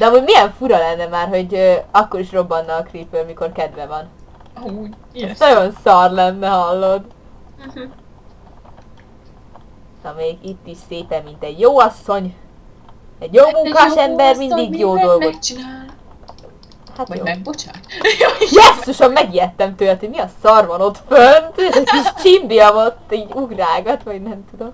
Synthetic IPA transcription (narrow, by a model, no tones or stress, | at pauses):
d̪ɛɒmuːɟmijɛɱfuɾɒlɛnːɛmaːrɦo̞ɟøɒkːo̞ɾiʃro̞bːɒnːɒlkripːøːlmiko̞rkɛd̪ʋɛvɒn | nɒɟo̞nsɒrlɛnːɛɦɒlːod̪ | ɒmeːɡit̪ːiʃseːpɛmːint̪ɛɟjoːɒsːo̞ɲ | ɛɟjoːmuŋkaːʃɛmbɛrmind̪iɡjoːd̪o̞lɡot͡ʃː | hat̪joːb | jɛsːuʃɒmːɛɡiɛt̪ːɛmt̪øːlɛt̪ʰomiɒsɒrʋɒno̞t̪fønnt̪ːziʃt͡ʃimbijɒmot̪ːiːɟuɡraːɡɒt̪ʋɒɟnɛmt̪ud̪o̞m